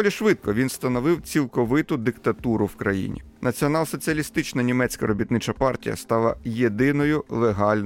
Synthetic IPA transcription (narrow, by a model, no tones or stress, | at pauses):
ɔlʲiʃʋɪt̪̚kɔʋʲinst̪ɐnɔʋɪwt͡sʲilˠkɔʋɪt̪ʊd̪ɪkt̪ɐt̪uɾʊwkɾɐjḭnʲḭ | nɐt͡sʲiɔnɑlˠsɔt͡sʲiɐlʲist̪ɪt͡ʃnɐnʲimɛt͡sʲkɐɾɔbʲit̪nɪt͡ʃɐpɑrtʲḭjɐ̰st̪ɑlˠɐ̰jed̪ɪnɔjʊlˠeɦɑlʲn